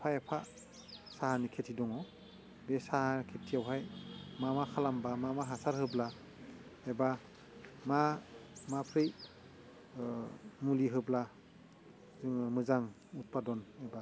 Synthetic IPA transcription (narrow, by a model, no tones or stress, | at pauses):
pʰaepʰa | saɦanikʰetʰidɔŋɔ | besahakʰetʰiawɦajmamakʰalambamamaɦasaɾɦɯbla | eba | mamapʰɾɯj | muliɦɯbla | zɯŋmɯzaŋ | ut̚padɔneba